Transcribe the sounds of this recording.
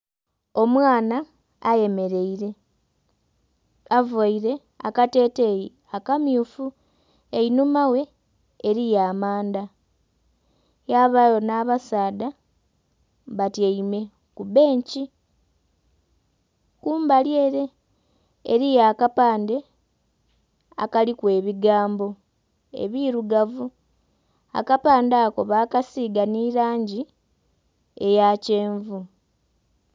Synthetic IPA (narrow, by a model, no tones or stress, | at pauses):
o̞mwaːnaː | je̞me̞ɾe̞iɾe̞ | avaiɾe̞ | a̰kate̞te | akamjuːfu | einumawe̞ː | ɾijaːmaːnda | jaβajo̞naβasaːda | βatjeime̞ | kuβe̞ːɲci | kuːmbalje̞ːɾe̞̰ː | ɾijaːkapaːnde̞ | a̰kalikwe̞ːβiɡaːmbo̞ | e̞̰βiɾuɡavu | a̰kapaːndaːko̞βaːkasiːɡaniɾaːɲɟi | e̞jace̞ːɱvu